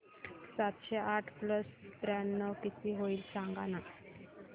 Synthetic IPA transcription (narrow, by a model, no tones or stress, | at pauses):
sat̪ɕeʔaʈʰpləst̪ɾanːəʋkit̪ʰiːɦoiːlsãŋɡana